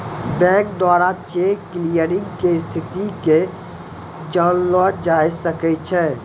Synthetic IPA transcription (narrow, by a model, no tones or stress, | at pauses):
bɛ̃k̚d̪waɾat͡ʃeklijəɾɪ̃ŋɡkest̪ʰɪt̪ike | d͡ʒanlɔd͡ʒajsəkɛt͡ʃʰɛ